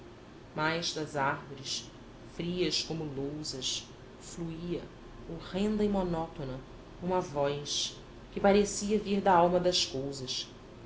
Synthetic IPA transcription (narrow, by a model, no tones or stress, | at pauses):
majzd̪ɐzahvoɾɪʃ | fɾiɐskõmʊlowzɐs | fluiɐ | oʁẽnd̪ɐɪmonɔt̪onɐ | ũmɐvɔjs | kɪpaɾesiɐviɾd̪ɐawmɐd̪ɐskowzɐʃ